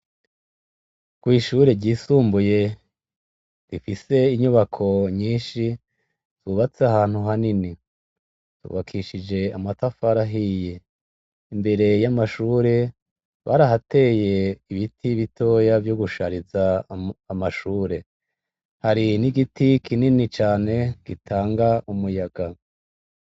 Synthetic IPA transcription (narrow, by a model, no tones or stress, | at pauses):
kɡ̥wiːʃuɾe̞ɾɟiːsuːmbuje̞ | difise̞iɲuβakʰo̞ɲiːnʃi | tuβat͡seahaːn̥huɦanini | tṵːβakʰiʃid͡ʒe̞amatafaɾaɦije̞ | imbe̞ɾe̞jamaʃuːɾe̞ | βa̰ːɾaɦate̞ːje̞iβitʰiβito̞javjoɡuʃaɾizaː | maʃuːɾe̞ | haɾiniɡitikʰininit͡ʃaːne̞ɡ̥itʰaːŋɡaumujaɡ̥a